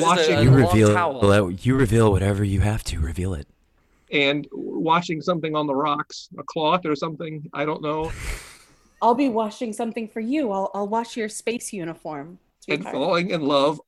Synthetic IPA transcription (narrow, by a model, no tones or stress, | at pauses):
wɑt͡ʃɪ̃ɨɹɨvilˠlˠɨjɨɹɨvilˠwʌɾɛvə˞jɨhæftʰɨɹɨvilˠɪ̰t̚ | ɨ̃nwɑt͡ʃɪ̃ŋsʌ̃mθɪ̃ŋə̃nðəɹɑksəkʰl̥ɔθə˞sʌ̃mθɪ̃ŋa̰ɪɾõʊ̃nːoʊ | aɪlˠbiwɑt͡ʃɪ̃ŋsʌ̃mθɪ̃ŋfə˞jʉaɪlˠʔaɪlˠwɑt͡ʃjə˞speɪsjʉñəfɔɹm | ɨ̃nfɔlˠɪ̃ŋɨ̃nlʌv